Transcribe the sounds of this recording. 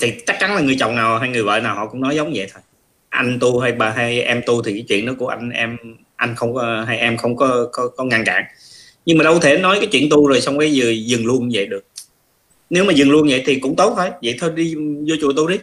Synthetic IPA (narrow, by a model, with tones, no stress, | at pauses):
t̪ʰi˨˩t͡ɕa˦˥k̚t͡ɕa˨˦nlaː˨˩ŋɨ˨˩ət͡ɕɔ̰˧˨wŋ͡mnaː˨˩wɦaː˧jŋɨ˨˩əjvə̰ː˧˨naː˨˩whɔ̰˧˨kʊ̰˧˥ŋ͡mnɔ˨˦jzə˨˦wŋ͡mzə̰˧˨jt̪ʰo˨˩j | ʔa˧jŋ̟t̪u˧ɦa˧jɓaː˨˩ɦa˧jʔɛ˧mt̪u˧t̪ʰi˨˩kaː˨˦jt͡ɕwḭ˧˨ənɗɔ˨˦ku˧˩əʔa˧ŋ̟ʔɛ˧m | ʔa˧jŋ̟xə˧wŋ͡mkɔ˨˦ɦa˧jʔɛ˧mxə˧wŋ͡mkɔ˨˦kɔ˨˦kɔ˨˦ŋa˧nka̰ː˧˨ŋ | ɲɨ˧ŋmaː˨˩ɗə˧wt̪ʰe˧˩nɔ˨˦jkaː˨˦jt͡ɕwḭ˧˨ənt̪u˧zo˨˩jsa˧wŋ͡mka˨˦zɨ˨˩zɨ˨˩ŋlu˧ən˧və̰˧˨jɗɨ˨˩ək̚ | ne˨˦wmaː˨˩zɨ˨˩ŋlu˧ənvə̰˧˨jt̪ʰi˨˩kʊ̰˧˥ŋ͡mt̪o˦˥t̚t̪ʰo˧jvə̰˧˨jt̪ʰo˧jɗi˧zo˧t͡ɕṵ˧˨ət̪u˧ɗi˨˦